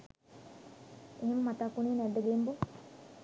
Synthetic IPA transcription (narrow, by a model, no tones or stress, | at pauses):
eɦemmat̪aːkːuniːnæd̪ːɐɡembu